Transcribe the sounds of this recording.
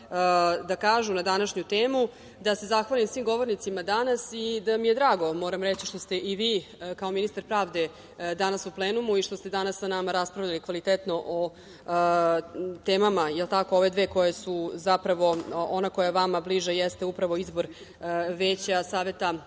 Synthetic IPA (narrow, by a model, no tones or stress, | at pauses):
d̪akaːʒunad̪anaʃɲut̪eːmu | d̪ase̞zaxʋalimsʋiːmɡo̞ʋo̞ɾnit̪simad̪anasid̪amije̞d̪ɾaːɡo̞mo̞ːɾamɾet͡ɕiʃt̪o̞st̪e̞ʔiʋiːkao̞minist̪aɾpɾaːʋd̪e̞ | d̪anasuplˠeːnumuiʃt̪o̞st̪e̞d̪anasːanamaɾaspɾaʋʎalikʋalit̪et̪no̞ʔo | t̪eːmamajelˠt̪akooʋe̞d̪ʋe̞ːko̞jesuzapɾaʋo̞onakojaeʋamabliʒajest̪eupɾaʋo̞izbo̞ɾ | ʋe̞ːt͡ɕasaːʋe̞t̪a